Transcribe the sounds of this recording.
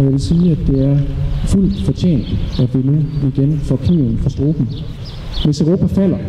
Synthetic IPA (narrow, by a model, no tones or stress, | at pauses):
ɒjaɪʋe̝lsiːæd̥e̝æɐful̰d̥fɒ̽t͡ɕʰḛːn̰d̥æʋinuiɡ̥enfɒkʰiːon̩fɒ̽sd̥ʁo̝ːb̥n̩ | ʋesøʊʁo̝ːpʰæfæl̰ɐ